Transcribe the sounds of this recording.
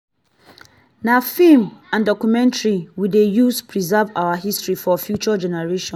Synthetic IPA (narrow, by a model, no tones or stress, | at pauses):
nafĩmãndɔkumɛ̃ntɹiwidejuspʰɹizɛvaʊwaɦistɹifɔfjut͡ʃɔd͡ʒɛnɛɹeʃɔ̃